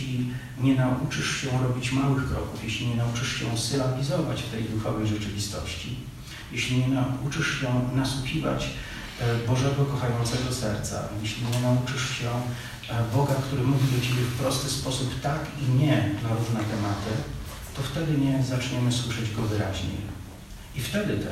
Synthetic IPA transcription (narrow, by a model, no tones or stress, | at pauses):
lʲi | ɲɛnaʔut͡ʂɘʂɕɛɾɔbʲit͡ɕmawɘxkɾɔ̰kufjeɕlʲiɲɛnaut͡ʂɘʂɕɛsɘlaɡʲizɔvat͡ɕft̪ɛjd̪ufawɛjʐɛt͡ʂɘvʲist̪ɔ̰ɕt͡ɕḭ | jeɕlʲiɲɛnaut͡ʂɘʂɕɛnaswuxʲiva̰t͡ɕ | bɔʐɛɡɔkɔxajɔnt̪sɛɡɔsɛɾt̪sa̰jeɕlʲiɲɛnaut͡ʂɘʂɕɛ | bɔɡakt̪uɾɘmuvʲid̪ɔt͡ɕebʲjɛfpɾɔst̪ɘspɔsupt̪akiɲɛnaɾuʐnɛt̪ɛmat̪ɘ | t̪ɔft̪ɛd̪ɘɲɛzat͡ʂɲɛmɘswɘʂɛd͡ʑɡɔvɘɾa̰ʑɲḛj | ift̪ɛd̪ɘt̪ɛ